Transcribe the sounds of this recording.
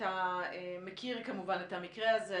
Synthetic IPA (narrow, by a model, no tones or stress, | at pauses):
aemekʰiʁkamuvanethamikʁeaze